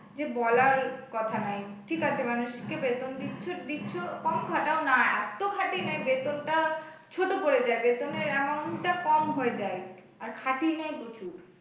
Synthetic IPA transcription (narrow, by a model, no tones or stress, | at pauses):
d͡ʑebɔlaɾkɔt̪ʰanajʈʰikat͡ɕʰemanuʃkebet̪ond̪itːɕʰod̪itːɕʰokɔmkʰaʈaonaɛt̪okʰaʈinajbet̪onʈa | t͡ɕʰoʈopoɾed͡ʑaebet̪oneɾɛmanʈakɔmɦoed͡ʑae | aɾkʰaʈinajkut͡ɕʰu